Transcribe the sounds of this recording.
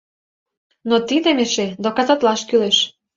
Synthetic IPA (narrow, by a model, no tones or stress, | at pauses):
not̪id̪emeʃed̪okɑzɑt̪lɑʃkyleʃ